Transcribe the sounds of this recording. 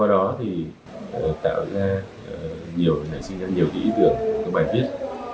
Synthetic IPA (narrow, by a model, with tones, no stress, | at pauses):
waː˧ɗɔ˨˦t̪ʰi˨˩ | ʔəː˨˩t̪a̰ː˧˨wzaː˧ʔəː˨˩zi˨˩əwna̰˧˨˩jsï˧nza˧ɲi˨˩əwkaː˨˦ʔi˨˦t̪ɨ̰˧˩˨əŋ˨˩kaː˨˦ɓaː˨˩nɓi˦˥ət̚